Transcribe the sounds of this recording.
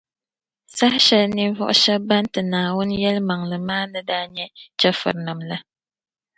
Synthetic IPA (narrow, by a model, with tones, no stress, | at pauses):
sa˦hʃɛ˦lni˦vɔ̰˦ʔʊ˦ʃɛ˦ba˦ntɨ˨naː˨wʊ˦n˦jɛ˦lma˨ŋlɨ˨maː˦nɨ˦daː˦ɲɛ˦t͡ʃɛ˦fɨ̰˨ɾna˨mla˦